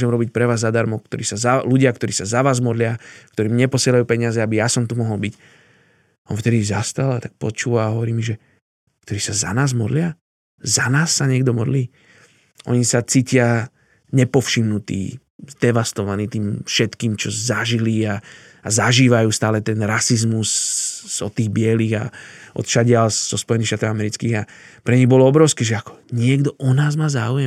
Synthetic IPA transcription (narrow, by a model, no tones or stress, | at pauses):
ʒɛmɾɔbicpɾɛʋaːzːad̪aɾmɔkt̪ɔɾiːsazaluɟɪakt̪ɔɾiːsazaʋaːzmɔd̪lɪakt̪ɔɾiːmɲɛpɔsɪɛlajuːpɛɲɪazɛabijasɔmt̪umɔɦɔlbic | ʔɔnft̪ɛd̪izast̪alat̪ak̚pɔt͡ʃuːʋaɦɔʋɔɾiːmiʒɛ | kt̪ɔɾiːsaza̰naːzmɔd̪lɪa | zanaːsːaɲɛɡd̪ɔmɔd̪liː | ʔɔ̰ɲisat͡siːcɪa | ɲɛpɔfʃimnut̪ḭː | zd̪ɛʋast̪ɔʋaniːt̪iːmfʃɛt̪kiːmt͡ʃɔzaʒilia | azaʒiːʋajuːst̪aːlɛt̪ɛnɾasizmus | ɔt̪ːiːɣbɪɛliːɣa̰ʔɔ̰t̪ʃaɟɪalz̥ɔspɔjɛniːʃt̪aːt̪ɔʊamɛɾit͡skiːɣapɾɛɲiɣbɔlɔɔbɾɔʊskɛːʒɛakɔ̥ɲɪɛɡd̪ɔʔɔnaːzmaːzaːujɛm